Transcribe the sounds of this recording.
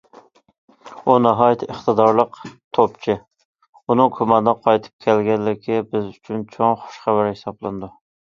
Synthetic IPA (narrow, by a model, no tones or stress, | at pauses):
unɑɦɑjt̪ʰəχt̪ɨd̪ɑɾlˠəqt̪ʰopt͡ʃʰɪ | unɨŋkʲʰumɑnd̪əqʰɑjt̪ʰɨ̥p̚kʲʰælɡʲɛnlːɪkʲʰɪbɪzyt͡ʃʰynt͡ʃʰoŋχʊ̥ʃχæbæɾhɪsɑblˠɨnd̪u